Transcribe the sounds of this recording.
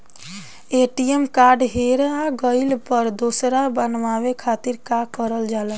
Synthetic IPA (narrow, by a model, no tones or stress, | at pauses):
eʈiemkaɾɖɦeɾaɡəɪlpəɾd̪osɾabənʋaβekʰat̪iɾkakəɾəld͡ʒalɛ